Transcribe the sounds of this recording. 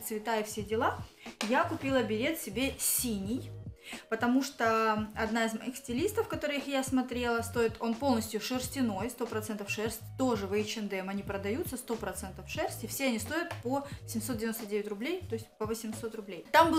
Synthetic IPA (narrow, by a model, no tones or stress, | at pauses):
t̪svʲɪt̪ajəfsʲedʲɪlˠa | jakʊpʲilˠəbʲɪɾʲe̞t̪sʲɪbʲe̞sʲinʲɪjpət̪ɐmuʂt̪oɐd̪naɪzmɐixsʲtʲɪlʲist̪əfkɐt̪o̞ɾɨjɪxjasmɐt̪ɾʲe̞lˠəst̪o̞ɪt̪ʰo̞npo̞lˠnəsʲtʲjʊʂɨrsʲtʲɪno̞jst̪o̞pɾɐt̪sɛnt̪əfʂɛrsʲtʲt̪o̞ʐɨvɨɪt͡ɕɪnd̪ɛmɐnʲipɾəd̪ɐjut̪səst̪o̞pɾɐt̪sɛnt̪əfʂɛrsʲtʲɪfsʲe̞ɐnʲist̪o̞jʊt̪̚posʲɪmʲsot̪dʲɪvɪnot̪dʲevʲɪtʲrʊblʲejt̪o̞ɪsʲtʲpəvəsʲɪmso̞t̪rʊblʲejt̪ambɨ